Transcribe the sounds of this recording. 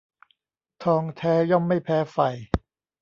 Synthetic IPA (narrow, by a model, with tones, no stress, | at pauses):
t̪ʰɔː˧ŋt̪ʰɛː˦˥jɔ˥˩ŋma˥˩jpʰɛː˦˥fa˨˩j